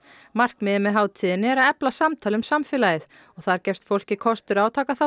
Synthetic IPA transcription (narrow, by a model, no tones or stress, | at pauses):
mar̥kmɪðɪmɛðɦaːwt̪ʰɪːðɪnɪɛɾaðɛplasamt̪ʰaːlʏmsamfɪlajɪθ | ɔɣθaðaɾcɛfst̪fowl̥cɪkʰɔst̪ʏɾawt̪ʰaːkaθa